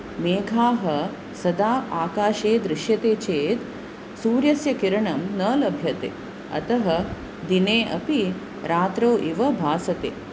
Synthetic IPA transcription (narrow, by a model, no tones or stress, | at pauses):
meːɡʱaːɦɐ | sɐd̪aːaːkaːʃeːd̪ɾɪʃjɐt̪eːt͡ʃeːt̪ | suːɾjɐsjɐkiɾɐɳɐmnɐːlɐbʱjɐt̪ḛː | ɐ̰t̪ɐɦɐ | d̪ineːʔɐpi | ɾaːt̪ɾɐwʔiʋɐbʱaːsɐt̪ḛː